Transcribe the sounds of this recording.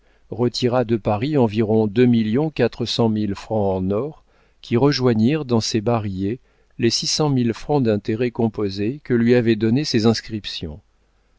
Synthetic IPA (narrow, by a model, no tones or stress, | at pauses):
ʁət̪ʰiʁad̪əpaʁiɑ̃viʁɔ̃d̪ømiljɔ̃kat̪χəsɑ̃milfχɑ̃ɑ̃nɔʁ | kʲʰiʁəʒwaɲiʁd̪ɑ̃sebaʁje | lesisɑ̃milfχɑ̃d̪ɛ̃t̪eʁɛkɔ̃pozekəlɥiavɛd̪ɔnesezɛ̃skχipsjɔ̰̃